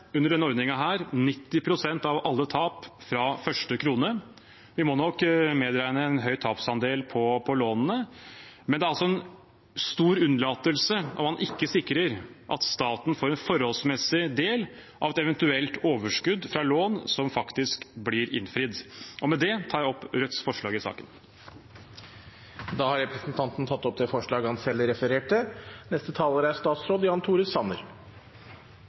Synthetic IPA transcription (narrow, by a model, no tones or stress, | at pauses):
ʉnːəɖɛnəɔɾd̪nɪŋɑɦæːɾnɪt̪ːɪpʰɾʊsɛnt̪ɑʋɑlːət̪ʰɑːpfɾɑfœʂʈəkʰɾuːnə | ʋɪmɔnɔkːmɛd̪ɾæɪnəɛnɦœʏt̪ʰɑːpsɑnd̪eːlpʰɔpʰɔloːnənəmɛnd̪ɛæɾɑlsɔɛn | st̪uːɾʉnːlɑːt̪əlsəʔɔ̰mhɑnʔɪkːəsɪkːɾəɾʔɑ̰t̪st̪ɑːt̪n̩foːɾɛnfɔɾhɔlsmɛsɪd̪eːl | ʔɑʋɛt̪ɛʋɛnt̪ʉɛlt̪oːʋəʂkʉd̪fɾɑloːnsɔmfɑkt̪ɪskblɪɾɪ̰nfɾɪd̪ʔɔmɛd̪ɛt̪ʰɑːɾjɔpːɾœt̪sfɔʂɭɑːɡɪsɑ̰ːkən | d̪ɑːhɑɾɛpɾɛsnt̪ʰɑnt̪n̩t̪ʰɑt̪ːɔp̚d̪ɛfɔʂɭɑːɡəhɑnsɛlːɾɛfəɾeːʈənɛst̪ət̪ʰɑːləɾæɾʂt̪ɑːt̪sɾoːd̪jɑːnt̪ʰuːɾəsɑnə̰ɾ